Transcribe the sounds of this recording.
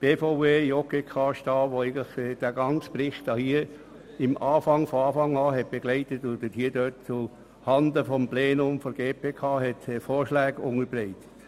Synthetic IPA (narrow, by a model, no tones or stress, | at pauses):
b̥eːfoʊeːjɔkekʰɑːʃtɑːʋoæɪɡən̩tləχɛd̥æːɡɑnt͡sprɪχtɑhiə | ɪmɑːfɑŋfɔɑːfɑŋɑːɦɛt̚b̥eɡ̥lɛɪtətʊdəthiːdøtt͡su | hɑnd̪əfɔmpleːnʊmfɔɾɡeːpʰeːkʰɑːɦɛtɛfoːɾʃlæːɡʊŋəɾbrɛɪtə̥t